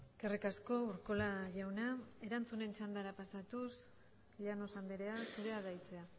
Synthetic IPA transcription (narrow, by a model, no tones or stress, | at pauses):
eske̞rikasko̞uɾko̞laʝawnae̞ɾant͡sune̞nt͡ʃand̪aɾapasat̪us | ʎano̞sand̪eɾe̞asuɾe̞aðajt͡se̞a